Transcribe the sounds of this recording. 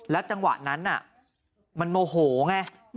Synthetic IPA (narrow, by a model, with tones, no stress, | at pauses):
lɛː˦˥wt͡ɕa˧ŋwa̰˨˩ʔna˦˥nʔa̰˨˩ | ma˧nmoː˧ɦoː˩˦ŋa˧